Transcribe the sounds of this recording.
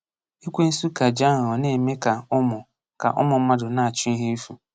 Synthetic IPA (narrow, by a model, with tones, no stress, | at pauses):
i˦kʷe˦n̩˦su˦ka˨d͡ʒa˦˨ɔ˨ne˨me˦ka˨ʊ˦mʊ˨ | ka̰˨ʔɔ̰˦mʊ˨˦ma˦dʊ˨na˨a˨t͡ʃʊ˦i˦ɦe˦i˦fu˨